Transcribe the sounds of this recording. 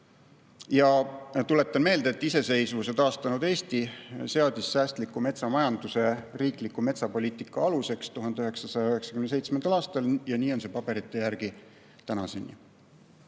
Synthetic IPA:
jɑt̪ule̞t̪ːˑɑnme̞ːld̪eːt̪ːˑise̞se̞jsvuse̞t̪ɑːst̪ɑnud̪̥e̞ːst̪ise̞ɑd̪̥isːæːst̪likːume̞t̪sɑmɑjɑnd̪use̞riːklikːume̞t̪sɑpo̞lʲiːt̪ˑikːˑɑɑluse̞kst̪uɦɑnd̪eyɦe̞ksɑsɑjɑyɦe̞ksɑ̥kymnese̞jt̪smend̪ɑlɑːst̪ɑljɑniːo̞nse̞pɑb̥e̞ɾit̪ˑːe̞jæɾɡ̥i | t̪ænɑ̰senʲːḭ

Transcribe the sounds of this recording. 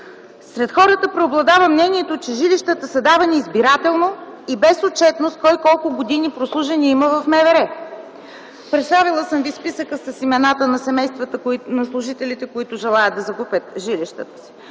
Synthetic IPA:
sɾɛt̪xɔɾət̪əpɾɛoblˠɐd̪avəmnɛniɛt̪ot͡ʃɛʒiliʃt̪ət̪əsɐd̪avɐniːzbiɾat̪ɛlˠnoibɛsot̪̚t͡ʃɛt̪nost̪̚kɔjkɔlˠkʊɡod̪inipɾoslˠuʒɛniiməvɐfmɛvɛɾɛ | pɾɛt̪st̪avilˠəsəmvispisəkəsɐsimɛnat̪ənɐsɛmɛjst̪vət̪nɐslˠʊʒit̪ɛlit̪ɛkoit̪ʊʒɛlˠajəd̪d̪ɐzɐkupʲət̪ʒiliʃt̪ət̪ə̥si̥

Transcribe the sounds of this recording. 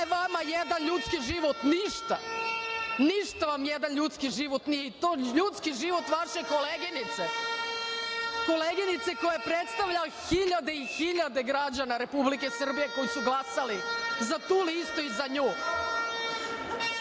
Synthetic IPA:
ʋamajed̪anʎut̪skiʒiʋo̞t̪niʃt̪a̰ | niʃt̪aʋamjed̪anʎut̪skiʒiʋot̪nijeit̪oːʎut̪skiʒiʋo̞t̪ʋaʃeko̞leɡinit̪se | ko̞leɡinit̪se̞ko̞japɾet̪st̪aʋʎaxiʎad̪e̞ixiʎad̪e̞ɡɾad͡ʑanaɾe̞publikesr̩bije̞ko̞jisuɡlˠasalizat̪uːlist̪oizaɲoː

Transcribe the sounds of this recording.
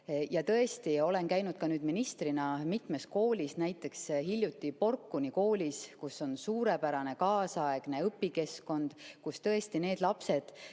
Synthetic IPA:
jɑt̪ɤ̞e̞st̪io̞le̞nkæjnud̪̥kɑnyːd̪̥minist̪rinɑmit̪ˑme̞s̚ko̞ːlʲisnæjt̪ːˑe̞ksɦilʲjut̪ːˑipo̞rkːuniko̞ːlʲiskusːo̞nsuːɾe̞pæɾɑne̞kɑːsɑe̞ɡ̥ne̞ɤpːike̞sko̞nd̪̥kust̪ɤ̞e̞st̪ine̞ːd̪̥lɑpse̞d̪̥

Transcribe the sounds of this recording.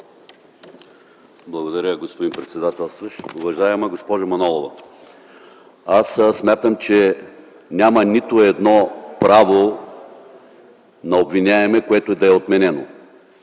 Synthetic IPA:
blˠɐɡod̪ɐɾʲəɡospod̪impɾɛt̪sɛd̪at̪ɛlˠst̪vəʃovɐʒajɛmɐɡospɔʒɐmɐnɔlˠovɐ | assmʲat̪əmt͡ʃɛ | nʲamɐnit̪ʊɛd̪nɔpɾavo | nɐobvinʲaɛmɛkoɛt̪oɛd̪ɐɛot̪mɛnɛno̰

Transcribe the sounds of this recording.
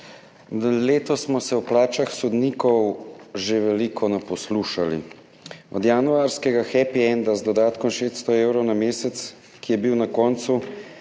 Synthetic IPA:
leːt̪ɔsmɔsɛwplaːt͡ʃaxsɔd̪niːkɔwʒeʋɛlikʰɔnɛpɔsluːʃalḭ | ɔ̰d̪januaɾskɛɡaxɛpiɛnd̪azd̪ɔd̪aːt̪kɔmʃeːst̪st̪ɔewɾɔwnameːsɛt̪s | kijɛbiwnakɔːnt̪su

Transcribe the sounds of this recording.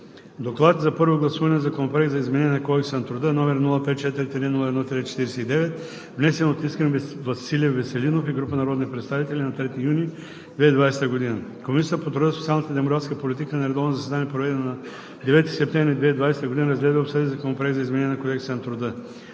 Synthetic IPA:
d̪oklˠat̪zɐpɤɾvoɡlˠɐsuvɐnɛzɐkomplɛkzɐizmɛnɛnʲɛnɐkɔd̪ɛksənɐt̪ɾʊd̪ənɔmɛɾnulˠəpɛt̪̚t͡ʃɛt̪iɾit̪ɾinulˠɐɛd̪nɔt̪ɾit͡ʃɛ̥t̪iɾɛsɛid̪ɛvɛt̪ | vnɛsɛnot̪iskɛnvɐsilijəvɛsɛlinofiɡɾupənɐɾɔd̪nipɾɛt̪st̪avit̪ɛlʲinɐt̪ɾɛt̪ijuni | d̪vɛid̪vajsɛ̥t̪əɡod̪inəkomisʲjət̪əpot̪ɾʊd̪əsot̪sʲialˠnət̪əd̪ɛmokɾat̪skəpolit̪ikənɐɾɛd̪ɔvnzɐsɛd̪anijəpɾovɛd̪ɛnɐnɐ | d̪ɛvɛt̪isɛpt̪ɛ̃vɾid̪vɛid̪vajsɛ̥t̪əɡod̪inəɾɐzɡlɛd̪vəopsəd̪izɐkomplɛkzɐizmɛnɛnʲɛnɐkod̪ɛksɛnɐt̪ɾʊd̪ə

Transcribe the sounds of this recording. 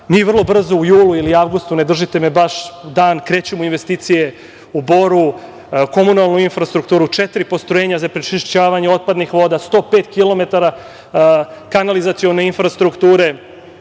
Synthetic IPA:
miːʋr̩lˠo̞br̩zoujuːlˠuiliaʋɡust̪une̞d̪r̩ʒit̪emebaʃd̪aːnkɾe̞ːt͡ɕumuinʋe̞st̪iːt̪sije | uboɾu | ko̞munalˠnuinfɾast̪ɾukt̪uːɾut͡ʂet̪ɾipost̪ɾojeɲazapɾet͡ʃiʃt͡ɕaːʋaɲeo̞t̪̚pad̪nixʋo̞ːd̪ast̪o̞ːpeːt̪kilo̞me̞t̪aɾa | kanalizat̪sijo̞neinfɾast̪ɾukt̪uːɾe̞

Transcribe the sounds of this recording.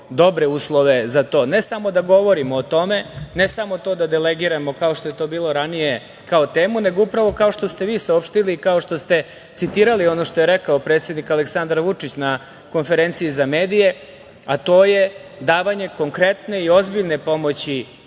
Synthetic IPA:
d̪o̞bɾeuːslˠoʋe̞zat̪o̞ːnesamo̞d̪aɡo̞ʋo̞ɾimoːt̪o̞me̞nesamo̞t̪o̞ːd̪ad̪eleɡiɾamo̞kao̞ʃt̪o̞je̞t̪o̞ːbiːlˠo̞ɾanije̞ | kaot̪eːmune̞ɡo̞upɾaʋo̞kao̞ʂt̪ost̪e̞ʋiːsaopʃt̪iliːkao̞ʂt̪o̞st̪e̞ | t̪sit̪iːɾalio̞no̞ʃt̪o̞jeɾekaopɾet̪se̞d̪nikaleksand̪ɾʋut͡ʂit͡ɕna | ko̞nfe̞ɾent̪siizameːd̪ije̞ | at̪o̞ːjed̪aːʋaɲe̞ko̞ŋkɾe̞t̪ne̞io̞zbiʎne̞po̞mo̞t͡ɕi

